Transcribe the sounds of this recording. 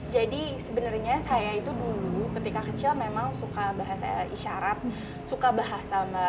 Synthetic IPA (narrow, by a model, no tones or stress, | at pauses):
d͡ʒadisəbənərɲasajait̪udulukət̪ikakət͡ʃɪlmemaŋsukabaɦasa̰iʃaɾat̪̚ | sukabaɦasama